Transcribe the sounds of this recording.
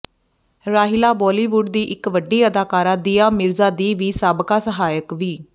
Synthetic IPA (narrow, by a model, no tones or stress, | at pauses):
ɾaːɦɪlaːbɔːliːʋʊɖ̚d̪iːʔɪkʋəɖiːəd̪aːkaːɾãːd̪iːãːmɪɾzaːd̪iːʋiːsaːbkaːsəɦaːjəkʋiː